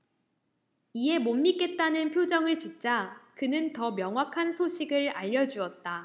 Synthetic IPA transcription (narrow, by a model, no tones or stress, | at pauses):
iɦe̞momːik͈e̞t̚t͈anɯnpʰjod͡ʑʌŋɯɭt͡ɕint͡ɕ͈akɯnɯntʌmjʌŋɦwakʰansʰoɕʰiɡɯɭaʎːʌd͡ʑuʌt̚t͈a